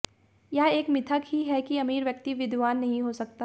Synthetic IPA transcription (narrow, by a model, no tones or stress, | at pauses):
jɐeːkmɪt̪ʰəkɦiɦɛkiɐmiːɾʋjɐk̚t̪iʋɪd̪ʱʋaːnːɐɦĩɦoːsɐk̚t̪a